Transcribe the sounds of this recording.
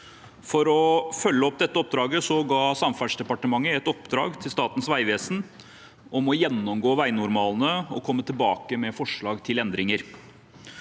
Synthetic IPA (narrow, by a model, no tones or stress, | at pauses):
fɔɾɔfœlːəɔpːd̪ɛt̪ːəɔp̚d̪ɾɑːɡəsɔɡɑːsɑmfæʂd̪ɛpɑʈəmɑŋːəɛt̪ɔpd̪ɾɑ̰ːɡt̪ʰɪlst̪ɑːt̪n̩sʋæɪʋeːsn̩ | ɔmɔjɛnːɔmɡoːʋæɪnʊɾmɑːlnəɔkʰɔmːət̪ʰɪlbɑːkəmɛfɔʂɭɑːɡt̪ʰɪlɛnd̪ɾɪŋəɾ